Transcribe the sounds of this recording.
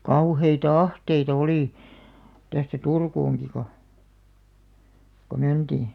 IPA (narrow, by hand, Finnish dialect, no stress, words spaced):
kɑuheitɑ ɑhteitɑ̆ oliˑ tæstæ turkuːŋki ko ko məntiˑ